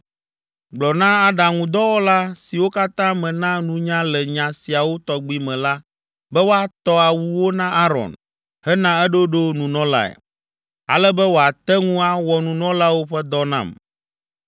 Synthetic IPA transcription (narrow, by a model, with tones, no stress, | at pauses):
ɡ͡blɔ˨nã˦a˦ɖã˨ŋũ˨d̪ɔ˦wɔ˦la˦si˨wo˦ka˦t̪ã˦mɛ̃˨nã˦nũ˦ɲã˦lɛ˨ɲã˨si˨a˨wo˦t̪ɔ˨ɡ͡bi˦mɛ̃˨la˦ | bɛ˦wo˦a˨t̪ɔ˦a˨wu˦wo˦nã˦ʔa˦ɾɔ̰˨n | hɛ˦nã˦ɛ˦ɖo˦ɖo˦nũ˨nɔ̃˦la̰˦ɛ̰˨ | a̰˨lɛ˦bɛ˦wo˦a˨t̪ɛ˦ŋũ˦a˦wɔ˨nũ˨nɔ̃˦la˦wo˦ɸɛ˦d̪ɔ˦nã̰˦˨m